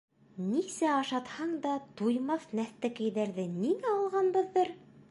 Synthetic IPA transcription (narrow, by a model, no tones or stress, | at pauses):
nisæɑʃɑt̪hɑɴd̪ɑt̪ujmɑθnæθt̪ækæjðæɾðɘniŋæɑlˠʁɑnbɤ̆ðːɤɾ